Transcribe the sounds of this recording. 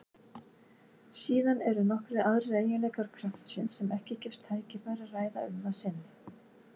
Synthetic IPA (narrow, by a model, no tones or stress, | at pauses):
siːðanɛɾʏnɔhkɾɪaðreːjɪlɛːkaɾ̥kʰɾaft̪sɪnsːɛmɛhcɪcɪfst̪ʰːaːjcɪfajɾaraːjða̰ʏmːasɪnːɪ